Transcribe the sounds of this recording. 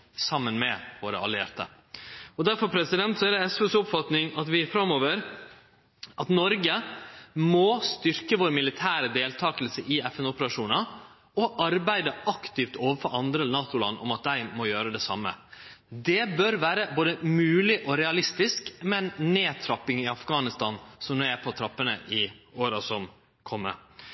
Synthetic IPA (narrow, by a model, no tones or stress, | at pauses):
sɑmːənmɛʋoːɾə̰ɑ̰lɪḛɾt̪ə | ɔd̪æɾfɔɾpʰɾɛsɪd̪ɛnt̪sɔæd̪ɛɛsøːsʊpfɑt̪nɪŋɑt̪ʋɪfɾɑmoːʋəɾ | ʔɑt̪nɔɾɡə | mɔst̪ʏɾkəʋoːɾmɪlɪt̪ʰæːɾəd̪eːlt̪ʰɑːkəlsəʔɪɛfɛnʊpəɾɑʂuːnɑ | ɔʔɑɾbæɪd̪əɑkt̪ɪft̪oːʋəɾfɔɾɑnd̪ɾəlnɑːt̪ʊlɑ̰nːʔɔ̰mɑt̪̚d̪æɪmɔjøːɾəd̪ɛsɑ̰mːə̰ | d̪ɛbœɾʋæːɾəboːd̪əmʉːlɪʔɔɾɛɑlɪst̪ɪskmɛnneːt̪ʰɾɑpːɪŋɪɑfɡɑːnɪst̪ɑːnsɔmɔːæpʰɔt̪ʰɾɑpːənə̰ʔɪoːɾɑsɔm | kʰɔmːə̰